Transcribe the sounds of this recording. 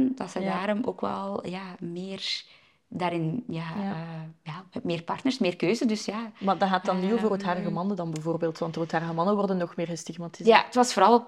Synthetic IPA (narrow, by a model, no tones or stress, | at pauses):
ndɑtsədaːɾɔmo̰ːkʋɛ̰lˠjaːmɪːr | daːɾɪnjaː | ʋamɪːrpɑrtnərsmɪːrkøːzədɵsjaːmadɑɣaːt̚dɑnːiovərətɦaːrəɣəmɑnədɑnbɛvoːrbeːlˠtʋɑntothaːrəɣəmɑnəʋɔrdənːɔxmɪːrɣəstiɣmatizatʋɑsfoːɾɑlˠ